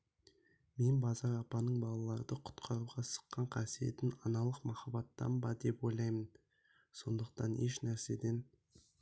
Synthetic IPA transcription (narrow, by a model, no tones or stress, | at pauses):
me̞nbɑzɑɾɑpɑnəɴbɑlˠɑlˠɑɾəd̪əqʰʊ̥t̪qʰɑɾuʁɑsə̥qːɑɴqʰɑsije̞t̪ɪnɑnɑlˠəqmɑχɑbɑt̪ːɑ̰nbɑd̪e̞pwo̞jlˠɑjmən | so̞nd̪əq̚t̪ɑne̞ʃnæɾse̞d̪e̞n